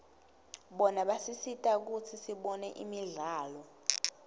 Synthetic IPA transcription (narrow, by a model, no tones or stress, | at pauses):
ɓɔnaɓasisitʼak̬ut͡sʰisiɓɔnɛʔimiɮaːlɔ